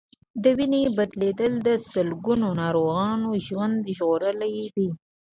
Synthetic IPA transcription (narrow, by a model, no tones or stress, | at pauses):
d̪əwinebad̪led̪əld̪əsəlɡunonɑɾoɣɑnoʒwand̪ʒɣoɾəlajd̪i